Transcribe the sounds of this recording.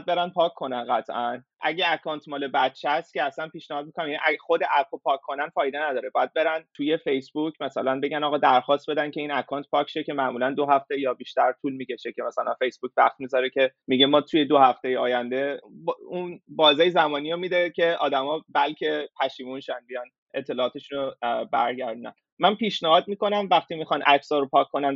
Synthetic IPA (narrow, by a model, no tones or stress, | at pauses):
d̪̚be̞ɾænpʰɒːkʰːo̞nænɢæt̪ʰʔæn | ʔæ̰ɟʲeækʰɒːnt̪ʰmɒːle̞bæt̪t͡ʃʰːeæst̪cʲeæsænpiːʃnæhɒːd̪mikonæmjænḭʔæχo̞d̪eʔæfopʰɒːkʰːo̞nænfɒːjd̪enæd̪ɒːɾebɒːjæd̪̚be̞ɾænt̪ʰuje̞fe̞jsbucʰmæsælænbe̞ɟænɒːɣɒːd̪æɾxɒːst̪be̞d̪æncʲʰe̞inækʰɒːnt̪pʰɒːcʲʃecʰʲe̞mæʔmuːlænd̪oɦæft̪ejɒːbiːʃt̪æɾt̪ʰuːlmiːce̞ʃecʰe̞mæsælænfe̞jsb̥uk̚væχt̪̚mizɒɾecʰe̞miɟemɒːt̪ʰujed̪ohæft̪e̞jeɒːjænd̪e̞bunbɒːzejzæmɒːnijɾomid̪ecʰe̞ʔɒ̰ːd̪æmɒːbælcʰe̞pʰæʃiːmunʃænbijɒn | et̪ʰːe̞lɒːt̪ʰe̞ʃunobæɾɟæɾd̪unæ̰n | mænpiʃnæɦɒːd̪̚miːko̞næmvæxt̪imixɒnʔæ̰ksɒɾopʰɒːkʰːonæn